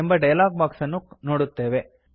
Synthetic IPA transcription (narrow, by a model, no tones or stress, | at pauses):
ɛmbɐɖɐjɐlaːk̚baːksɐnɯknɔɽɯt̪ːeːʋe